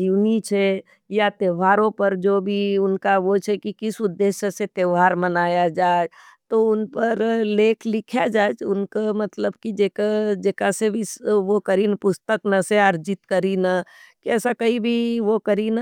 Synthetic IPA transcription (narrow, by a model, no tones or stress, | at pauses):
d͡ʒiʋnit͡ʃʰɛ | jat̪eːʋaːɾõpɐɾd͡ʒoːbʱiʊnkaʋot͡ʃʰɛkikɪsʊd̪ːeːʃjəset̪eːʋɦaːɾmɐnaːjad͡ʒaːed͡ʒ | t̪oʊnpəɾleːkʰlɪkʰjad͡ʒaːed͡ʒʊnkamɐt̪ləbkid͡ʒeːkad͡ʒekasebʱisʋokɐɾinpʊst̪əknɐseəɾd͡ʒɪt̪kɐɾinakiɛːsakɐibʱiʋokɐɾina